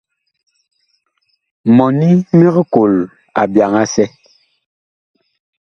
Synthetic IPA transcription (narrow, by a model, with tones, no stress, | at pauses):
mɔ˨ni˦mi˦ɣko˨l | a̰˨bja˨ŋa˦sɛ˦